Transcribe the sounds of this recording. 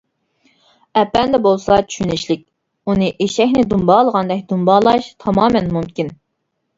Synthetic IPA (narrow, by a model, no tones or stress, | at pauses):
ɛpːɛnd̪ɛbolˠsɑt͡ʃʰy̥ʃynɪʃlɪk̚ʲ | unɨʔeʃɛkʲnɪd̪umbɑːlˠəʁɑnd̪ɛk̚ʲd̪unbɑːlˠɑʃt̪ʰɑmɑːmɛnmumkʲin